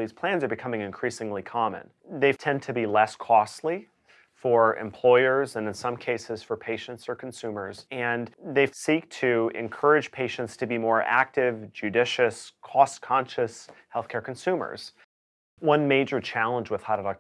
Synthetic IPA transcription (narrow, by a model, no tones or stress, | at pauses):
ðiz̥pʰl̥æ̃nzə˞bɨkʰʌmɪ̃ŋɨ̃nkʰɹ̥isɪ̃ŋlikʰɑmɨ̰̃n | ðeɪv̥tʰɛ̃ntʰɨbilɛskʰɔstˡli | fə˞ɨ̰̃mpʰl̥ɔɪə˞zɨ̃nɨ̃nsʌ̃mkʰeɪsɨz̥fə˞pʰeɪʃɨ̃ntsə˞kʰn̩sʉ̃mə˞zɨ̃nðeɪsik̚tʰɨɪ̰̃nkʰɜ˞ɨd̥ʒ̥pʰeɪʃɨ̃ntstʰɨbimɔɹʔæ̰k̚tɪvd͡ʒʉdɪʃɨskʰɔskʰɑ̃nʃɨshɛlˠθkʰɛɹkn̩sʉ̃mə̰˞z̥ | wʌ̃nmeɪd͡ʒə˞t͡ʃʰælˠə̃nd͡ʒwəð̥haʊɾɨlɑ